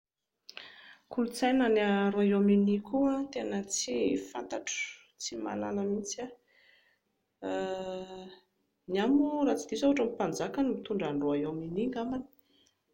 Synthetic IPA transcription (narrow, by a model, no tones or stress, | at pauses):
kulut͡sajnanaɾoaominikʰuat̪enət͡sifa̰nt̪aʈ͡ʂə̥ | t͡sima̰la̰ləmit͡sa | niamurat͡sid̪isawaʈ͡ʂamipand͡zakanimit̪uɳɖ͡ʐaɳɖ͡ʐoajominiŋɡamani̥